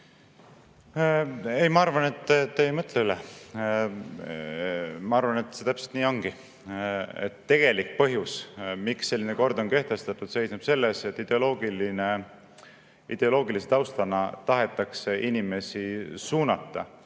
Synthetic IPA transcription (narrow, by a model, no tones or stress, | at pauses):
ejmɑɑrvɑne̞t̪ːˑt̪ːeejmɤt̪ˑleylɛ | mɑɑɾvɑne̞t̪ːse̞t̪æpselt̪niːo̞ŋɡ̥i | ḛt̪ːe̞ɡ̥e̞lik̚ːpɤɦjusmiksse̞lːineko̞rd̪o̞nke̞ht̪e̞st̪ɑt̪ːˑud̪̥se̞jsnub̥se̞lːese̞t̪ːˑid̪̥eolo̞ːɡiline̞ | id̪̥e̞o̞lo̞ːɡiliset̪ɑwst̪ɑnɑt̪ɑɦe̞t̪ːˑɑkseʔinime̞sisuːnɑt̪ːˑɑ̰